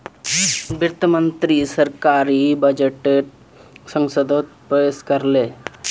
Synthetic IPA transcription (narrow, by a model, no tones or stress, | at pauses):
biɾt̪ʰəmənt̪ɾisəɾkaːɾibɐd͡ʒeʈeʈ | sə̃ŋsəd̪ʱot̪̚pɾəʋeskəɾleː